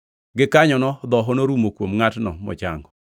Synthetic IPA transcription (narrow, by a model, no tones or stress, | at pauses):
ɡɪkaɲɔnɔd̪ɔɦɔnoɾumokwomŋatnɔ̰mɔ̰t͡ʃa̰ŋɡɔ